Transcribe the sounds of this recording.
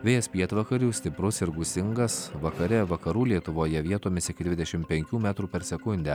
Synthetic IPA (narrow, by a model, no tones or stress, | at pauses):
ʋʲeːjɛspʲiɛt̪ʋɐkɐɾʲuːsʲt̪ʲɪpɾʊsɪɾɡʊsʲɪŋɡɐsʋɐkɐɾʲɛʋɐkɐɾuːlʲiɛt̪ʊʋoːjɛʋʲiɛt̪oːmʲɪsʲɪkʲɪd̪ʲʋʲɪd̪ʲɛʃʲɪmpʲɛŋʲkʲuːmʲæt̪ɾuːpʲɛɾsʲɛkʊnʲd̪ʲɛ